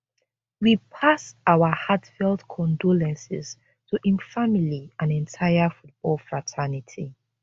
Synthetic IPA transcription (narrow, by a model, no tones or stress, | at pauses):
wipʰasaʊwəhatfɛlˠdkʰɔ̃ndɔlɛ̃nsɪ̰z | tʰuʔĩnfamiliãnɛ̃ntʰaɪafut̚b̥ɔlˠfɹatʰɛnitʰi